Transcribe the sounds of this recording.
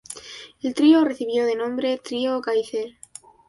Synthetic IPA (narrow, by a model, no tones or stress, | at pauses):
e̞lt̪ɾiore̞θiβjo̞ð̞e̞nõ̞mbɾe̞t̪ɾioːkaiθeɾ